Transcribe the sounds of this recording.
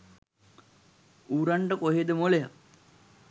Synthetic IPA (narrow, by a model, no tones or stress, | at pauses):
uːɾaɳɖəkoɦed̪əmoleja̰